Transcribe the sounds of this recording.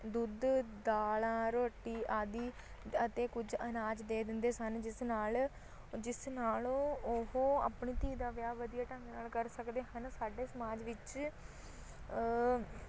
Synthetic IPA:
d̪ʊd̪d̪aːlãːɾoːʈːiːʔaːd̪iː | ət̪eːkʊd͡ʒənaːd͡ʒd̪eːd̪ɪnd̪eːsənd͡ʒɪsnaːl | d͡ʒɪsnaːlõːoɦoːa̰ːpɳiːt̪iːd̪aːʋjaːʋəd̪ijaːʈə̃ŋɡnaːlkəɾsəkd̪eːɦənsaːɖeːsəmaːd͡ʒʋɪt͡ʃ

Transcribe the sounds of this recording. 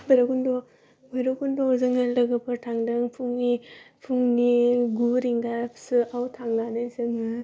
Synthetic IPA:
bajɾakundɔ | bajɾokundɔzɯŋɯlɐɡɯpʰɯɾtʰaŋdɯŋpʰuŋnipʰuŋniɡuɾiŋɡasɯawtʰaŋnanɯjzɯŋɯ

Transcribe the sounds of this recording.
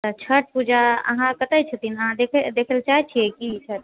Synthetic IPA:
t̪ət͡ʃʰəʈ̚pud͡ʒaə̰ɦãkət̪əjt͡ʃʰət̪inəɦãd̪ekʰɛd̪ekʰəlt͡ʃaɦɛt͡ʃʰiɛkisəɾ

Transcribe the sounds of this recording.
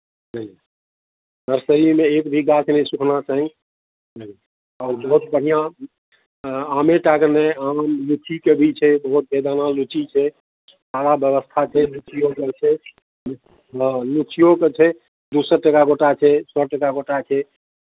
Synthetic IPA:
nə | nəɾsəɾimeekbʱiɡat͡ʃʰnɛsukʰnat͡ʃaɦĩ | nə | ɔːɾbəɦut̪̚bəɽ̤ijã | ameʈakɾneamlut͡ʃʰikebʱit͡ʃʰɛbəɦut̪̚bed̪analut͡ʃʰit͡ʃʰɛ | saɽabjəβəst̪ʰat͡ʃʰɛlut͡ʃʰijoket͡ʃʰɛ | lut͡ʃʰijoket͡ʃʰɛ | d̪usəɾʈəkaɡoʈat͡ʃʰɛsɔʈəkaɡoʈat͡ʃʰɛ

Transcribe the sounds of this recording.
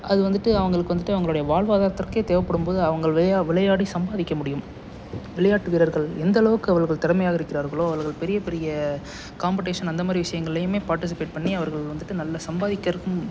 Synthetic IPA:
ʔɐðɯʋɐnd̪ɯʈːɯɐʋɐŋɡɐɭɯkːɯʋɐnd̪ɯʈːɯɐʋɐŋɡɐɭoːɽɐjɐʋaːɭʋaːðaːɾɐt̪ːɐrkeːt̪eːʋɐpːɐɽɯmpoːðɯɐʋɐŋɡɐɭʋʋɪɭɐjaːɽisɐmbaːðɪkːɐmʊɽɪjɯm | ʋɪɭɐjaːʈːɯʋiːɾɐɾɣɐɭɛnd̪ɐlɐʋɯkːɯɐʋɐɾɣɐɭt̪ɛɾɐmɐjaːɣɐɪɾɯkːɪɾaːɾɣɐɭoːɐʋɐɾɣɐɭpɛɾɪjɐpɛɾɪjɐ | kaːmpɐʈːeːʂɐnɐnd̪ɐmaːd̪ɾiʋɪʂɐjɐŋɡɐɭɪlɐjɯmeːpaːɾʈɪs̬ɪpeːʈ̚pɐɳːiɐʋɐɾɣɐɭkːʋɐnd̪ɯʈːɯnɐlːɐsɐmbaːðɪkːɐɾɯkːɯm

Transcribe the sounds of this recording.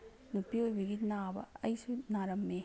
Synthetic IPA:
nupːiojbɐɡinaːbɐ̰ɐjsunaːɾɐmːe

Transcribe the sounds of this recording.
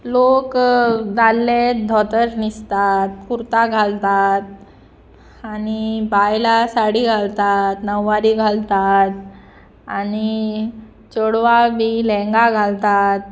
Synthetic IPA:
lokd͡zalːed̪ʱɔt̪əɾnist̪at̪kuɾt̪aɡʱalt̪at̪̚ | anibajlasaɽiɡʱalt̪at̪nəʋːaɾiɡʱalt̪at̪ | ani | t͡ɕoɽʋabilɛ̃ŋɡaɡʱalt̪at̪̚

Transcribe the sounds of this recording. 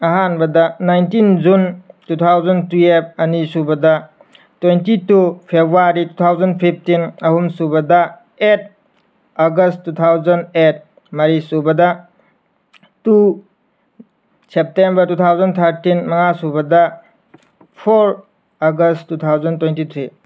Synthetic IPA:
ɐɦanbɐdɐnajntind͡ʒuntut̪ʰawzɐntuep̚ɐnisubɐdɐ | twentitupʰebɾuaɾitut̪ʰawzɐnpʰip̚ʰtinɐhumsubɐdɐ | et̚ | aɡɐstːut̪ʰawzɐnet̚ | mɐɾisubɐdɐ | tu | sep̚tembɐɾtut̪ʰawzɐnt̪ʰɐɾtinmɐŋasubɐdɐ | pʰoɾ | aɡɐstːut̪ʰawzɐntwentit̪ʰɾi

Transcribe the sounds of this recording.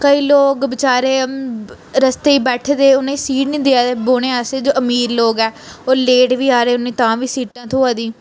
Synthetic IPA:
kəiːloːkbɪt͡ʃaːɾeː | ɾəst̪eːiːbɛːʈʰed̪eːʊnẽːĩːsiːʈnĩːd̪eaːd̪eːboːɽ̃ẽːaseːd͡ʒoːʔəmiːɾloːɡɛːoːleːʈʋiːaːɾeːʊnːĩːt̪ãːʋiːsiːʈãːt̪ʰʊːaːd̪ĩː

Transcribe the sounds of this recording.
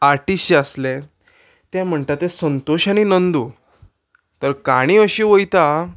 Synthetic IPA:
aɾʈisəsle | t̪jãm̤əɳt̪at̪esənt̪oɕaɽ̃inənd̪u | t̪əɾkaɽ̃ĩəɕĩʋəjt̪a

